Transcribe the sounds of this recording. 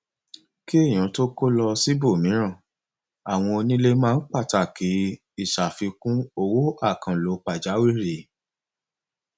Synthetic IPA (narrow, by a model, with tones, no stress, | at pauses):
ki˦ẽ˦˨ã˨˦to˦ko˦lɔ˧si˦bo˦˨mĩ˨˦ɾ̃ã˦˨ | a˨w̃ɔ̃˧o˧nĩ˦le˦mãː˦˧n̩˦k͡pa˦˨ta˨ki˨˦ | i˦˨ʃa˨fi˧kũ˦o˧wo˦a˦˨kã˨lo˨˦k͡pa˨d͡ʒa˨˦wi˦˨ɾi˨